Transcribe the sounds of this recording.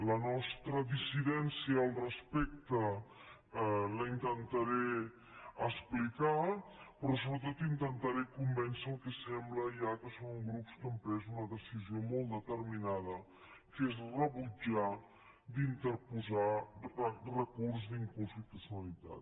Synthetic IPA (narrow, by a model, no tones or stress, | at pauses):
lənɔst̪ɾəðisiðɛnsiəːlˠrəspɛk̚t̪ə | ləint̪ənt̪aɾe | əsplikapɾɔsoβɾət̪̬ot̪int̪ənt̪aɾekumbɛnsəːlˠkɛsɛmbləjakəsoŋɡɾupskəmpɾɛzunəðəsiziomolˠd̪ət̪əɾminað̞ə | kezrəβud͡ʒa | d̪int̪əɾpuza | rəkurzd̪iŋkunst̪it̪usjunəlit̪a̰t̪